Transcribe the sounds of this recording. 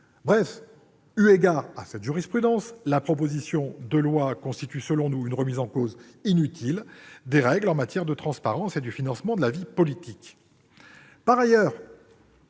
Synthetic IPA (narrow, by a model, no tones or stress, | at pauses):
bʁɛf | yeɡaʁasɛt̪ʒyʁispχyd̪ɑ̃slapχɔp̬ozisjɔ̃d̪əlwakɔ̃st̪it̪ysəlɔ̃nuynʁəmizɑ̃kozinyt̪ʰild̪eʁɛɡlɑ̃mat̪jɛʁd̪ət̪χɑ̃spaʁɑ̃sed̪əfinɑ̃smɑ̃d̪əlavipɔlit̪ik | paʁajœːʁ